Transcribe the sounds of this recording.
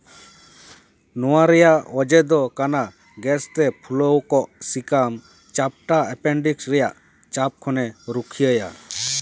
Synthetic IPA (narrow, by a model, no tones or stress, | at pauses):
nɔwaɾɛjaʔɔd͡ʒɛd̪ɔkana | ɡɛst̪ɛpʰuləwkɔʔsikam | t͡ʃap̚ʈaɛpɛɳɖiksɾɛjaʔ | t͡ʃap̚kʰɔnɛɾukʰijəja̰